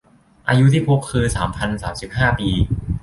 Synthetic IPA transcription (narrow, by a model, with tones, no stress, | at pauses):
ʔa̰ː˧ju˦˥t̪ʰiː˥˩pʰu˦˥kʰːɯː˧saː˩˦mpʰa˧nsaː˩˦msi˨˩p̚haː˥˩piː˧